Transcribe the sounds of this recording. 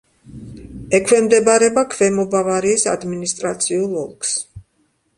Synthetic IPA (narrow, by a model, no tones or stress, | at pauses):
ɛkʰvɛmd̪ɛbaɾɛbakʰvɛmɔbavaɾiːsa̰d̪minist̪ʼɾat̪sʰiulˠɔ̰lˠkʰs